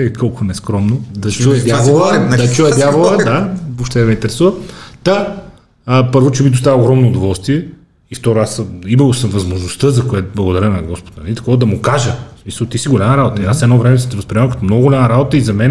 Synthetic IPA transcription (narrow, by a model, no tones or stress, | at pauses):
ɛkʰɔlˠkʊnɛskɾɔmnod̪ɐt͡ʃuɛd̪ʲjavolˠəd̪ɐt͡ʃujəd̪javolˠəd̪abopʃt̪ɛmɛint̪ɛɾɛsuvəmt̪a | əpɤɾvʊt͡ʃɛbid̪ost̪avəʊoɡɾɔmnoːd̪ovɔlˠst̪viɛ | ift̪ɔɾoasimɐlˠosɐmvɐzmoʒnost̪əzɐkoɛt̪blˠɐɡod̪ɐɾʲənɐɡɔspo̥t̪nɐnit̪ɐ̥kɔd̪ɐmʊkaʒəsmisəlˠt̪isiɡolʲaməɾabot̪əiasɛd̪nɔvɾɛmɛsɛt̪ɛvɐspɾʲimakɐt̪ɔmnɔɡʊɡolʲaməɾabot̪əizɐmɛn